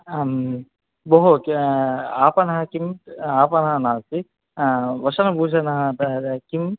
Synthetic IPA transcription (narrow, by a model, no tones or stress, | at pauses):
boɦuk | aːpɐnɐɦɐkimaːpɐnɐɦɐnaːlsi | ʋɐʃɐnɐbʱuːd͡ʒʱɐnɐɦɐt̪kim